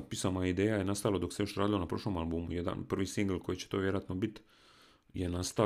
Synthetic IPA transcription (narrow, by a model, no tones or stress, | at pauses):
t̪̚pisamaid̪eːjajenast̪alˠod̪o̞ksejoʃɾaːd̪ilo̞napɾo̞ʃlˠo̞malbumṵjed̪a̰npr̩ʋisiŋɡlko̞jit͡ɕe̥t̪o̞ːʋjeɾoat̪nobit̪ | jenast̪a